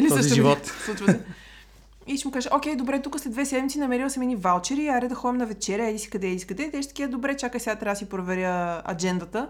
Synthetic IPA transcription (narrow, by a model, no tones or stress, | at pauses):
iliɔiʒivɔt̪slˠut͡ʃvəsɛ | iʃɛmukaʒəʔokʲɛjd̪obɾɛt̪ukəsɛd̪vɛsɛd̪mʲit̪sinɐmɛɾilˠsɐminivalˠt͡ʃɛɾiːaɾɛd̪ɐxɔɛmnɐvɛt͡ʃɛɾʲjəɛd̪ʲisi̥kɐd̪ɛisi̥kɐd̪ɛt̪ɛʃt̪ɐ̥kiəd̪obɾɛt͡ʃakəjsʲɛat̪ɾasipɾovɛɾʲjəɐ̰d͡ʒɛnd̪ɐt̪ə